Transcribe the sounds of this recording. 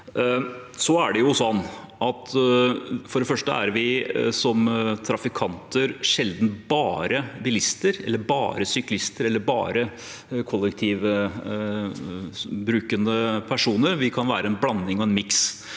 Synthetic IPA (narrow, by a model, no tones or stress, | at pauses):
sɔæɖɛjʊsɔnː | ʔɑt̪ | fɔɖɛfœʂʈə̰æ̰ɾʋɪsɔmt̪ʰɾɑfɪkʰɑnt̪ʰəɾʂɛld̪n̩bɑːɾəbɪlɪst̪əɾɛ̰lːəɾbɑ̰ːɾəsʏklɪst̪əɾɛlːəɾbɑ̰ːɾə | kʰɔlːɛkt̪ʰiːʋ | bɾʉːkənd̪əpʰæʂuːnəɾʋɪkʰɑnʋæ̰ːɾəɛnblɑnːɪŋɔɛnmɪks